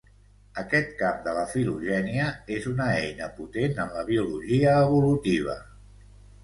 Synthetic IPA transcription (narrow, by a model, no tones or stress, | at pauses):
əkɛt̪̚kamd̪ələfiluʒɛniəezunəɛjnəput̪enəmləβiuluʒiəːβulut̪iβ̞ə̰